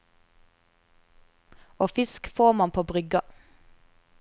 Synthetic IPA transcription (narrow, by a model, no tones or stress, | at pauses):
oːfɪskfoːʁmɑnpʰoːbʁʏɡɑ